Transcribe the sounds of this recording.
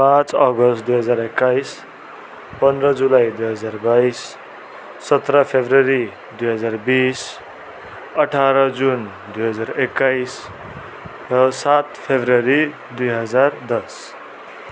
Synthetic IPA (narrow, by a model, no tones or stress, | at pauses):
pãt͡sʌɡʌst̪d̪ujɦʌd͡zaɾekːajs | pʌnd̪rʌd͡zulajd̪ujɦʌd͡zarbajsː | ʌt̪ɾʌpʰebrʌɾi | d̪ujɦʌd͡zarbis | ʌʈʰaɾʌd͡zun | d̪ujɦʌd͡zarekːajs | rʌsat̪pʰebʱrʌɾi | d̪ujɦʌd͡zard̪ʌs